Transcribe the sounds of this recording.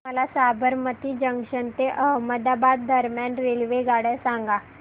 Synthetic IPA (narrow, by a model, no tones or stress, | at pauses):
məlasabəɾmət̪iːd͡ʑəŋɡɕənt̪eʔəməd̪abat̪̚d̪ʱəɾmjanɾelʋeɡaɽasãŋɡa